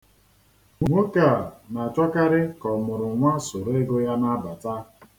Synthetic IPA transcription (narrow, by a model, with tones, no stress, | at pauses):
ŋʷu˨ŋʷo˦ka˨na˨t͡ʃɔ˦ka˦ɾɪ˦kɔ˨mʊ˨ɾʊ˨ŋʷa˦so˨ɾe˦ɡo˦ja˦na˦ba˨ta˦